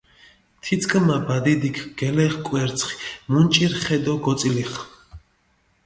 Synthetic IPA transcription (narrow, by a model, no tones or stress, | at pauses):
t̪ʰit̪sʰkʼmabad̪id̪ikʰɡ̥ɛlɛχkʼwɛɾt̪sʰχi̥munt͡ʃʼiɾχɛd̪ɔɡɔsʼiliχ